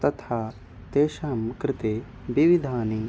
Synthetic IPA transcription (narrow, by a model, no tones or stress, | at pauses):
t̪ɐt̪ʰaː | t̪eːʃaːmkɾɪt̪eː | biʋid̪ʱaːni